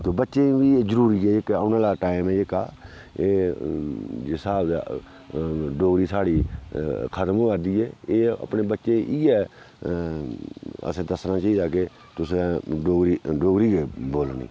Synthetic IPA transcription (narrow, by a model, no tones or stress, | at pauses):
t̪oːbətːʃẽːʋiezəɾuːɾiːɛːɪkaːnãːlaːʈaːɪmɛːɪkaː | eː | jɪsaːbd̪e | ɖoːɡɾiːsaːɽiː | kʰət̪mõːkəɾd̪iːɛːeːə̰pneːbətːʃẽːʔiːɛː | ə̰sẽːd̪əsnãːt͡ʃaiːd̪aːk̬e | t̪ʊsẽɖoːɡɾiːɖoːɡɾiːɡeːboːlnḭː